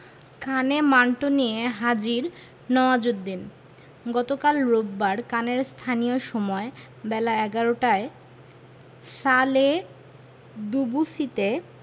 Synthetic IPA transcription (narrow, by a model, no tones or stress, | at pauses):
kʰanemaɳʈonijeɦad͡ʑiɾ | nɔoad͡ʑod̪ːin | ɡɔt̪okalɾobːaɾkaneɾst̪ʰanijoʃɔmɔe | bɛlaɛɡaɾoʈae | sale | d̪ubusit̪e